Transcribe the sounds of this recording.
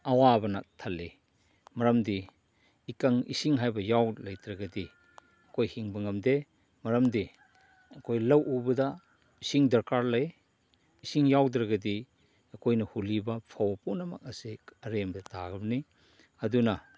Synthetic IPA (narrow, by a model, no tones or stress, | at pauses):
ɐwabɐnak̚tʰɐlːi | mɐɾɐmdiː | kaŋḭsiŋɦajbɐjawlɐjt̪ɾɐɡɐdi | ɐkojhiŋbɐŋɐmd̪e | mɐɾɐmdi | ɐkʰojlɐwʔubɐda | isiŋdɐɾkaɾlɐj | isiŋjawdɾɐɡɐdi | ɐkʰojnɐhulibɐpʰawɐpunɐma̰k̚ɐsikɐɾembɐdɐtaɡɐbni | ɐduna